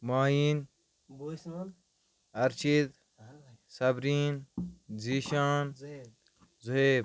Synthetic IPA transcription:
maːɦiːn | ɐɾt͡ʃʰit̪ | sɐbɾiːnziːʃaːn | zuɦeːb

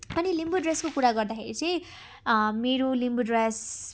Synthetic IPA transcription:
ʌnilimbuɖreskokuɾaɡʌrd̪axḛɾḭt͡sʰʌ̃j̃ | meɾolimbuɖres

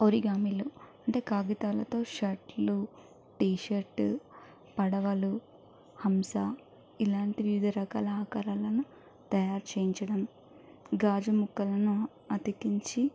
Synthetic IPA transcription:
oɾiɡaːmiluɐɳʈe̞ːkaːɡit̪aːlɐt̪o̞ːʃɐʈlu | ʈiːʃɐɾʈ | pɐɽɐʋɐlu | hɐmsa | ilaːɳʈiʋiʋid̪ʱɐɾɐka̰ːlɐːkaːɾaːlɐnu | t̪ɐjaːɾt͡ʃeːjiɲt͡ʃɐɽɐm | ɡaːd͡ʒumukːɐlɐnu | ɐt̪ikiɲt͡ʃi

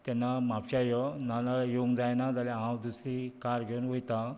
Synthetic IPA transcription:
t̪ɛnːamapɕajɔnanajeuŋɡd͡zajnad͡zalɛ̃ɦãwd̪usɾikaɾɡʱeunʋojt̪a

